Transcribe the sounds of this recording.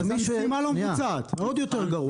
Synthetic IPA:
mmimalomt͡saːt̪od̪jot̪eʁɡɐʁu

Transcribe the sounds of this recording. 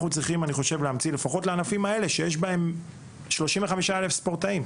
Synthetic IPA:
χut͡sʁiχimaniχo̞ʃevleamt͡sile̞faχo̞tleanafimae̞le̞ʃe̞jeʃbae̞m | ʃlo̞ʃimveχamiʃaelefspoʁtaim

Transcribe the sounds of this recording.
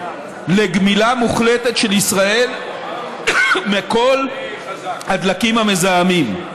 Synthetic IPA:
leɡmilamuχletetʃe̞lisʁae̞l | meko̞l | had̪lakimhamezaamim

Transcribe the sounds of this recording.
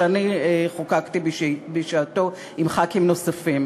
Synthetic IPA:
anieχokakt̪ibbeʃaːt̪o | imχakimno̞safim

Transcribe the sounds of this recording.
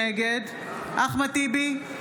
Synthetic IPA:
eɡed̪ | aχmat̪ibi

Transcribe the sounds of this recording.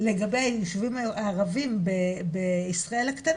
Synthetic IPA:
leɡabejajuʃuvimaːʁavimbebeisʁae̞lhakt̪an

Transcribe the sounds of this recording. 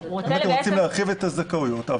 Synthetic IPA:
emat̪emʁo̞t͡simleaχivet̪azakaujo̞t̪a

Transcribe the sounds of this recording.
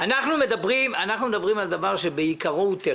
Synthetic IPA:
anaχnume̞d̪abʁimanaχnume̞d̪abʁimald̪avaʁʃebeikaʁot̪e

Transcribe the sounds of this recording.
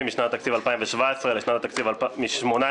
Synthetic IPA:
imiʃnat̪at̪akt͡sivalpaimveʃvaesʁeleʃnat̪at̪akt͡sivalmiʃmo̞na

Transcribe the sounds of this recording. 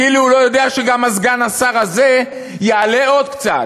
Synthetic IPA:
iluulo̞jo̞d̪e̞aʃe̞ɡamazɡanasaʁaze | jeale̞o̞d̪kt͡sa̰t

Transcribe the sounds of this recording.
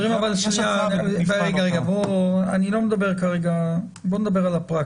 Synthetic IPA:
ʁimavalʃnabʁeɡaʁeɡaboanilo̞med̪abe̞ʁkaʁeɡa | boned̪abeʁalapʁak

